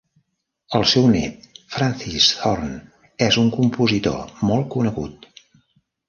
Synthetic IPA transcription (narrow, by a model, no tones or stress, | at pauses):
əlˠsɛwnɛ̰t̪fɾansisθɔrn | ɛzuŋkumpuzit̪o̰mɔlˠkunəɣṵt̪